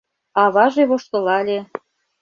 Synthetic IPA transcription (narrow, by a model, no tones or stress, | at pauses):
ɑβɑʒeβoʃt̪ɤ̆lɑlʲe